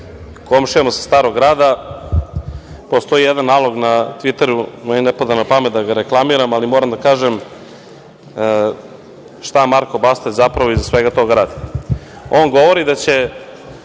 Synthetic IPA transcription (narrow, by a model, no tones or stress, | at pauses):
ko̞mʃiemosḁst̪aːɾo̞ɡɾaːd̪a | post̪o̞ijed̪anːaːlˠo̞ɡnat̪ʋit̪eɾumeinepad̪anapamet̪̚d̪aɡaɾeklˠamiːɾamalimoːɾamd̪akaːʒem | ʃt̪amaɾkobast̪ezapɾaʋoizasʋeɡat̪o̞ɡɾaːd̪i | o̞nɡo̞ʋoɾid̪at͡ɕe̞